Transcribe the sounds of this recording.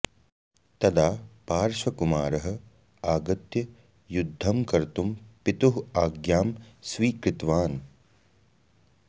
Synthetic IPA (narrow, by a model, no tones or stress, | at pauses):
t̪ɐd̪aːpaːɾʃɐkumaːɾɐɦɐ̆ | aːɡɐt̪jɐ | jud̪ʱːɐmkɐɾt̪umpit̪uɦaːɡjaːmsʋiːkɾɪt̪ʋaːn